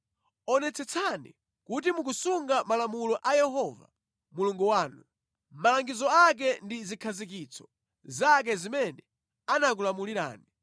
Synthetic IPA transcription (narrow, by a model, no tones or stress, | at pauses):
ɔnɛt͡sʰɛt͡sʰanḭ | kut̬imuk̬usuŋɡamalamulɔʔajɛɦɔva̰ | muluŋɡuwaːnu | malaŋɡizɔak̬ɛndizikʰazik̬it͡sʰɔ̥ | zak̬ɛzimɛnɛ | anak̬ulamuliɾa̰ːni